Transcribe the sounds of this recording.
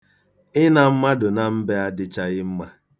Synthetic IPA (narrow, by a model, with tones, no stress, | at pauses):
ɪ˦na˨m̩˦ma˦dʊ˨na˨m̩˦be˦a˦dɪ˨t͡ʃa˦ɣɪ˦m̩˦ma˨